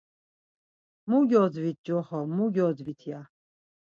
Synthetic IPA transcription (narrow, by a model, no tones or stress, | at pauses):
muɡʲɔd͡zvit̪̚d͡ʒɔhɔmuɡʲɔdd͡zvit̪ʰja